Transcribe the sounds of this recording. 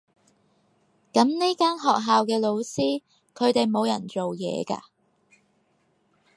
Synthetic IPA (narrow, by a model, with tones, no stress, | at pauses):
kɐ˨˥mni˥kaː˥nɦɔː˨k̚ɦaː˨wkɛː˧lo˨˧wsiː˥ | kʰɵ˨˧ɥt̪e˨jmo˨˧wjɐ̰˨˩nt͡ʃo˨wjɛ̰ː˨˧ka̰ː˧